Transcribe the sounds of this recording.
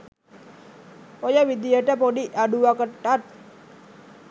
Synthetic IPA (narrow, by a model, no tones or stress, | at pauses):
ojaʋid̪ijəʈəpoɖiʔaɖuakəʈːat̪̚